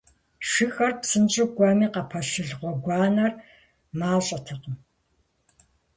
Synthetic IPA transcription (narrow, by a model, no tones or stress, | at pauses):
ʃɨxɐrpsɨnt͡ʃʼɪɡʷaːmiːqɐpʰɐʃɨɮʁʷɔɡʷaːnɐr | maːɕʼɐtʰɨqəm